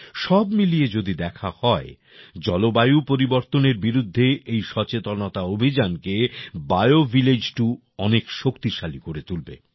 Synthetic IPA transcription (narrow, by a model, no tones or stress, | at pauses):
ʃɔbmilied͡ʑod̪id̪ɛkʰahɔe | d͡ʑɔlobajupoɾiboɾt̪oneɾbiɾud̪ʱːeejʃɔt͡ɕet̪onot̪aobʱid͡ʑankebajovʱiled͡ʑʈu | ɔnekʃokt̪iʃalikoɾet̪ulbḛ